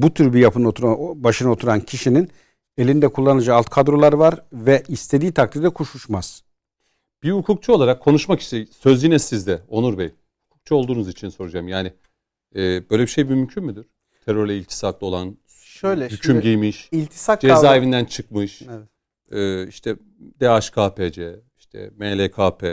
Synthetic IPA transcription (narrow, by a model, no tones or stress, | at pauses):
but̪ʰyɾbijapʰɯnot̪ʰɾabaʃɯnao̞t̪ʰuɾancʰiʃinin | e̞lʲind̪ɛkʰulˠːanɯd͡ʒaalˠt̪kʰad̪ɾo̞lˠaɾvaɾvɛʔist̪ʰe̞d̪iːt̪ʰak̚t̪ʰiɾd̪ɛkʰuʃuʃmaz̥ | b̥iukʰuk̚t͡ʃʰuo̞lˠaɾakʰːo̞nuʃmaki̥ʃt̪ʰɛsøzinɛsizd̪ɛo̞nuɾbɛj | hukʰu̥k̚t͡ʃʰuolˠd̪uːnuzit͡ʃʰinso̞ɾud͡ʒamjaːnɪ | ɛːbøjlʲɛbiʃejmymymcʰynmyd̪iɾ̥ | t̪ʰeɾøɾlʲɛilʲt̪ʰi̥sak̪lˠɯo̞lˠan | ʃøjlʲɛhycʰymɟijmiʃilʲt̪ʰi̥sakd͡ʒezaːevind̪ænt͡ʃʰɯkmɯʃɛ | ɛːiʃt̪ʰɛ | d̪eaʃkʰaːpʰed͡ʒɛ | iʃt̪ʰɛ̰melʲekʰaːpʰɛ